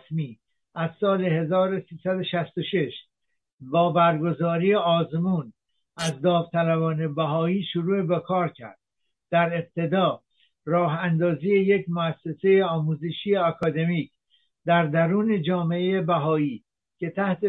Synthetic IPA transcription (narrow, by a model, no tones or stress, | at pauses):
smiː | ʔæzsɒːle̞ɦe̞zɒːɾo̞siːsæd̪o̞ʃæst̪o̞ʃe̞ʃ | bɒːbæɾɡo̞zɒːɾiːeɒːzmuːn | ʔæzd̪ɒːvt̪ʰælæbɒːne̞bæɦɒːiːʃuɾuːebekʰɒːɾcʰæ̰ɾd̪̥̚ | d̪̥æɾeb̚t̪ʰe̞d̪ɒː | rɒːɦænd̪ɒːziːjejecmoæsːe̞se̞jeɒːmuːzeʃijeɒkʰɒːd̪e̞miːc | d̪æɾd̪æɾuːne̞d͡ʒɒːmeejebæɦɒːiː | cʰe̞t̪ʰæht̪e